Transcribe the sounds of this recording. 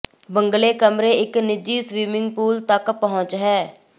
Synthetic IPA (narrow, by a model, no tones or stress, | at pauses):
bəŋɡleːkəmɾeːɪknɪd͡ʒiːsʋiːmɪŋɡpuːlt̪əkpəɦʊ̃t͡ʃɦɛː